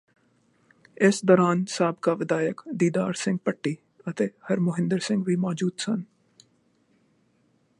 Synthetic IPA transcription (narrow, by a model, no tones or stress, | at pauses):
ɪsd̪ɔːɾaːnsaːbkaʋɪd̪aːjəkd̪iːd̪aːɾsɪ̃ŋɡ̚pəʈːiː | ɐt̪ehɐɾmʊɦɪ̃nd̪əɾsɪ̃ŋɡʋiːmɔːd͡ʒuːd̪sɐn